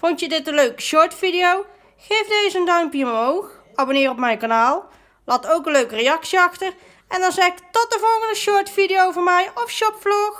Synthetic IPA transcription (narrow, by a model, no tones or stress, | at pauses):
fontjədɪtənløɥkəʃɔɹtfidijow | xejfdejzəəndœɥmpjəmowx | aːbonɪːrɔpmɛjnkanaːlˠ | laːtowkənløɥkəreɑksiɑxtər | ɛndɑnzɛktɔt̚dəvɔlˠɣəndəʃɔɹtfidɪjowvɔɹmɛjɔfʃɔpflox